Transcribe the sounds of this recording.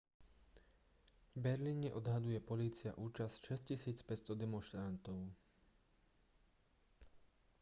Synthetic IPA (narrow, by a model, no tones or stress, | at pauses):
vbɛɾliːɲɛʔɔd̪ɦad̪ujɛpɔliːt͡sia̰ʔuːt͡ʃasʃɛscisiːt͡spɛst̪ɔd̪ɛmɔnʃt̪ɾant̪ɔʊ